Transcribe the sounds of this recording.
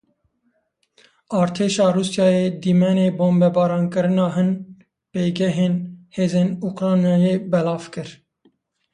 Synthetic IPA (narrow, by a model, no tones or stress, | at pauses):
ɑːɾt̪ʰeːʃɑːruːsjɑːjeːd̪iːmɛneːboːmbɛbɑːɾɑːnkɨɾɨnɑːɦɨn | peːɡɛɦeːnheːzeːnukɾɑːnjɑːjeːbɛlɑːvkɨɾ